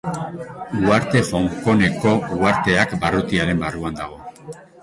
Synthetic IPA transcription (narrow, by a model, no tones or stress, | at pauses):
uaɾt̪e̞fo̞ŋko̞ne̞ko̞uaɾt̪e̞akbarut̪iaɾe̞mbaruand̪aɣ̞o̞